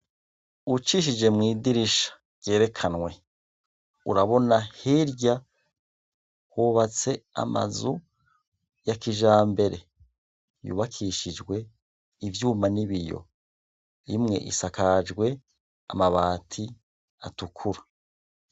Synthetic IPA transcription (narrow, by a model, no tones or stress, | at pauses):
ut͡ʃiʃ̬id͡ʒe̞mŋiːdiɾiʃḁ | ɟ̥e̞ːɾe̞kʰanwe̞ | uɾaβo̞nahiɾɟa | huβat͡se̞a̰ma̰zu | jakiʒaːmbe̞ɾe̞ | jṵːβakʰiʃid͡ʒɡwe̞ | ivjuːmaniβijo̞̰ | imŋe̞̰ʔḭsakad͡ʒɡwe̞ | a̰maβaːtʰi | a̰tukʰuɾa